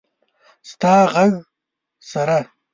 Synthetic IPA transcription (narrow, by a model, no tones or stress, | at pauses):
st̪aːʁaɣ | sɐɾa